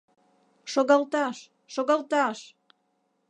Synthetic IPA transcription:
ʃoɣɑlt̪ɑʃ | ʃoɣɑlt̪ɑʃ

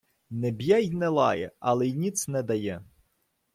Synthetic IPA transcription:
nɛbʲjajnɛlˠɑjɛ̰ɐlˠɛjnʲit̪sʲnɛd̪ɐjɛ

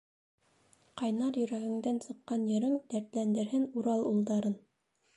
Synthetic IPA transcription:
qɑjnɑɾjɵ̆ɾæɡɘ̆ŋd̪ænsɤ̆qːɑnjɤ̆ɾɘŋd̪æɾt̪lænd̪ɘ̆ɾhɘnuɾɑlˠulˠd̪ɑɾɤn

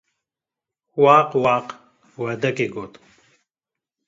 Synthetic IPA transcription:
waːqwaːq | wɐd̪ɐkeɡot̪

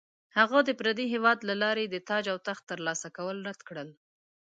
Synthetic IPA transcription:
haɣad̪əpɾad̪iɦewɑd̪lalɑɾed̪ət̪ɑd͡ʒawt̪axt̪əɾlɑsakawəlɾad̪kɽəl

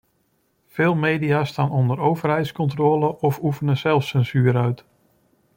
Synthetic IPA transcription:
fɪːlˠmejdiaːstaːnɔndəɾowvərɦɛjtskɔntroːləʔɔfufənəzɛlˠfsɛnzyːɾœɥt

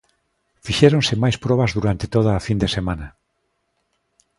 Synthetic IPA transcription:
fiʃeɾõnsemajspɾɔβazðuɾant̪et̪oðaːfind̪esemãna

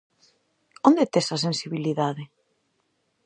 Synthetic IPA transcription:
ond̪et̪esɐs̬ensiβiliðaðɪ

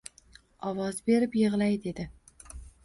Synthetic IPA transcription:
ɒwɒzbe̞ɾɪpjɨʁlˠajd̪e̞d̪ɪ

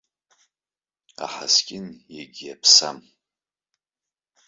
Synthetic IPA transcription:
a̰ħaskʲʼɪnjeɡʲjapʰsam

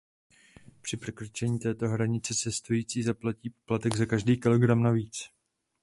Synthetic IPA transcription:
pr̝̥ɪpr̥ɛkɾot͡ʃɛɲiːt̪ɛːt̪o̞ɦɾaɲɪt͡sɛst͡sɛst̪ojiːt͡siːzaplaciːpo̥plat̪ɛɡzakaʒdiːkɪlo̞ɡɾamnaviːt͡s

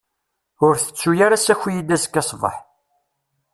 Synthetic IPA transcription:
ʊɾθə̥t͡sːujaɾasæçijid̪æskːɑsˤvə̰ħ

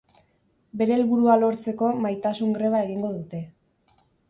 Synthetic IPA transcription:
be̞ɾe̞ːlβuɾualo̞ɾt͡se̞ko̞majt̪asuŋɡɾe̞β̞ae̞ɣiŋɡo̞ðut̪e̞

